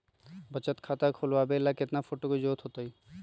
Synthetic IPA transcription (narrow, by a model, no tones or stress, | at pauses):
bət͡ʃət̪kʰat̪akʰolʋabelaket̪nafʰoʈokod͡ʒoːt̪ʰɦot̪oi